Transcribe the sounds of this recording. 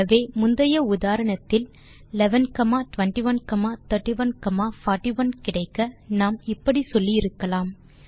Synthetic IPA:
ɐʋeːmʊnd̪ɐjɐʊðaːɾɐɳɐt̪ːɪl | lɛʋɐnkɐmaːʈʊʋɐnʈiʋɐnkɐmaːt̪ɐɾʈːiʋɐnkɐmaːfaːʈːiʋɐnkɪɽɐɪkːɐnaːmɪpːɐɽisɔlːiɪɾɯkːɐlaːm

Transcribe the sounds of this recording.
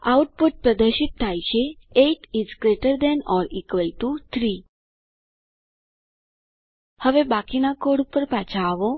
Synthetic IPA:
awʈ̚puʈ̚pɾəd̪əɾɕit̪̚t̪ʰːajɕeeʈid͡zɡɾeʈəɾd̪ɛnɔɾikʋəjʈut̪ʰɾi | həʋebakinakoɽupəɾpat͡ɕʰaːʋo

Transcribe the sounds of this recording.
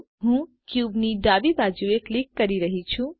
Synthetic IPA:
ɦũkjubniɖabibad͡ʒueklikːəɾiɾəɦit͡ʃʰũ

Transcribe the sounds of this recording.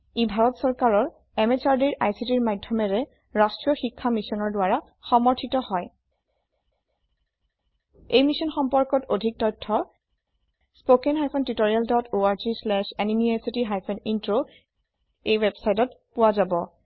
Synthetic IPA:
ibʱaɹɔtsɔɹkaɹɔɹ | ɛmet͡ʃaɹdiɹʔajsitiɹmajdʱːɔmɛɹɛ | ɹastɹiɔxikʰːamisɔnɔɹdʊwaɹa | xɔmɔɹtʰitɔhɔj | ejmisɔnxɔmpɔɹkɔtodʱik̚tɔtʰːɔ | spokɛnɦajpʰɔntitoɹialdɔtoaɹzislɛʃanimiajsitiɦajpʰɔnintɹo | ejwɛbsajtɔtpʊwazabɔ

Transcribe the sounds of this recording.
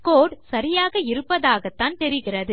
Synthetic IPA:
koːɽsɐɾɪjaːɣɐɪɾɯpːɐðaːɣɐt̪ːaːnt̪ɛɾɪɣɪrɐðɯ

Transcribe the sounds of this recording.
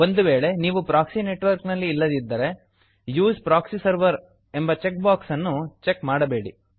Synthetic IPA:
o̞nd̪uʋe̞ːɭe̞niːʋupɾaːksine̞ʈʋɐɾknɐlːiːlːɐd̪id̪ːɐɾe̞ | juːspɾaːksisɐɾʋɐɾ | e̞mbɐt͡ʃek̚baːksɐnːut͡ʃekmaːɽɐbe̞ːɽi

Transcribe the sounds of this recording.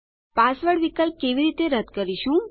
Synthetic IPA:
pasʋəɽʋikəlp̚keʋiɾit̪eɾəd̪kəɾiʃũ

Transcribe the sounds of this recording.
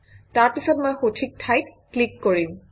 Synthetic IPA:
taɹpisɔtmojxotʰik̚tʰajkklikːoɹim

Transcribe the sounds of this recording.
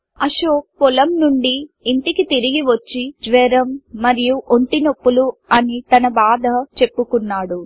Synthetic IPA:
ɐʃoːkɔlɐmnuɳɖiːɳʈ̪ikit̪iɾiɡiʋɐt͡ʃːid͡ʒʋɛːɾɐmːɐɾijuʔoɳʈinɐpːuluɐnit̪ɐnɐbaːd̪ʱɐt͡ʃe̞pːukunːaːɽu

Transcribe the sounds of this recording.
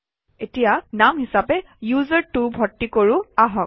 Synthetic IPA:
etijanamɦisapɛ | juzəɹtubʱɔtːikoɹʊaɦɔk̚

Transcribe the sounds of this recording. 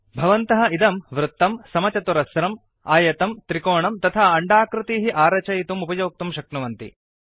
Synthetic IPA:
bʱɐʋɐnt̪ɐɦɐ̆id̪ɐmʋɾut̪ːɐmsɐmɐt͡ʃɐt̪uɾɐsɾɐm | aːjɐt̪ɐmt̪ɾikoːɳɐmt̪ɐt̪ʰaːɐɳɖaːkɾɪt̪iːɦiʔaːɾɐt͡ʃɐjit̪umupɐjoːk̚t̪umʃɐk̚nɐʋɐnt̪ḭ

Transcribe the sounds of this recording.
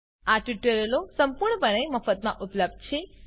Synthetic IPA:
aʈiʈəɾəlosəmpuɾɳəpəɳ̃eməfət̪mã̰ʔupləb̚d̪̚t͡ʃʰe

